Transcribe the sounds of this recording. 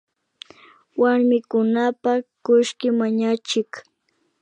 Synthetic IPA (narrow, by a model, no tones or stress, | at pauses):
waɾmɪkʊnapakʊʃkɪmaɲat͡ʃɪk